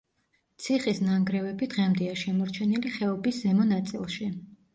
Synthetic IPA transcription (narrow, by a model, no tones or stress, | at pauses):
t̪sʰiχisnaŋɡɾɛvɛbid̪̥ʁɛmd̪ɛaʃɛmɔɾt͡ʃʰɛniliχɛɔbiszɛmɔnat̪sʼilˠʃi